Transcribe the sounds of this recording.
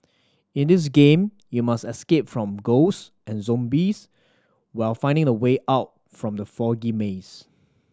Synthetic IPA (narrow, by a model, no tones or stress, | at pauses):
ɪ̃ndɪs̬ɡẽm | jumastɛskep̚fɹɔ̃mɡos | ʔɛ̃nzɔ̃mbis | waɪlfãɪ̃ndɪ̃ŋdəweʔaʊt̚ | fɹɔ̃mdəfɔɡimes